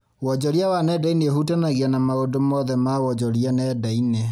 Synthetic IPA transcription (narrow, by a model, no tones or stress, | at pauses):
wɔd͡ʑɔɾiawanɛdainehutanaɣianamaodomɔðɛmawɔd͡ʒɔɾianɛdaine